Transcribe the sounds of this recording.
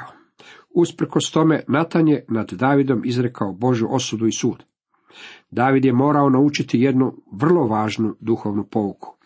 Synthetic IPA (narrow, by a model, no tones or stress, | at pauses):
uspɾ̩ko̞st̪o̞me̞nat̪anje̞nad̪d̪aːʋid̪o̞mʔizɾe̞kʰaobo̞ʒjuʔo̞sud̪uisuːd̪ | d̪aːʋid̪jemo̞ːɾaonaut͡ʃit̪ije̞d̪nuʋr̩lˠo̞ʋaːʒnud̪uxo̞ːʋnupo̞ukʰu̥